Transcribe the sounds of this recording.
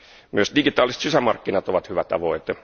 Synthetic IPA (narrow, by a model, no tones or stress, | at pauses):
myøsdiɡit̪ɑːlise̥t̪sisæmɑrkːinɑt̪oʋɑt̪hyʋæt̪ɑ̰ʋoit̪e